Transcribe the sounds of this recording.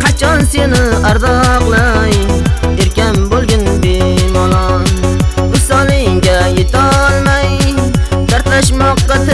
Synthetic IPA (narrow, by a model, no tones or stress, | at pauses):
qʰɑt͡ʃʰɑnsenɪæɾd̪ɑqlˠɑjeɾkʲɛnbolˠɡʲɪnbemɑlˠɑnbʊsɑlˠɪŋɡʲɛjet̪ɑlˠmɑj | d̪æɾt̪æʃmɑqːɑt̪ɪ